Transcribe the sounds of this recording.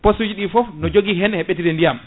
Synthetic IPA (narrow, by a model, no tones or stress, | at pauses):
posud͡ʒiɗifɔfnɔd͡ʒoɡiɦɛnhɛɓetiɾɛndijam